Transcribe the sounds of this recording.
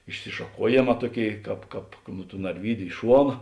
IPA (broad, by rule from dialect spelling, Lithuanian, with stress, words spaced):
ɪʃʲsʲɪʃɐˈkuɔjeːˌmɑː ˈtuɔˌkʲeːɪ ˈkɑːp ˈkɑːp nʊ tuː nɐrʲˈʋʲiːdʲʊ ɪ ˈʃuɔnɐ